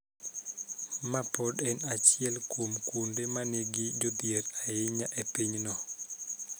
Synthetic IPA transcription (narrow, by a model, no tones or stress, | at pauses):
mapɔɗɛnat͡ʃɪɛlkomkondemaneɡid͡ʒod̪ieɾajɪɲaʔepiɲnɔ